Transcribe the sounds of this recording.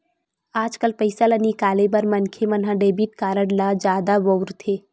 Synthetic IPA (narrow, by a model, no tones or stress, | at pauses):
aːd͡ʒkəlpəɪsalənikaːlebəɾmɐnkʰemɐnɦãɖeːbiʈ̚kaːɾəɽlad͡ʒaːd̪aʋowɾt̪ʰeː